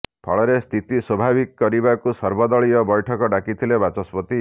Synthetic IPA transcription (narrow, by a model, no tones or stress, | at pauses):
pʰɔɭɔɾest̪ʰit̪iswɔbʱabikɔkɔɾibakusɔɾbɔd̪ɔɭiɔbɔjʈʰɔkɔɖakit̪ʰilebat͡ʃɔspɔt̪i